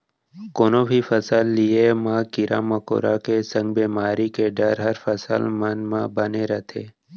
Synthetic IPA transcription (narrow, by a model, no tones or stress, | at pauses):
koːnõbʱifəsəlːiemãːkɪɾa̰mɐko̰ːɾakesə̃ŋɡ̚beːmaːɾikeɖəɾɦəɾfəsə̰lmənmãbəneɾət̪ʰeː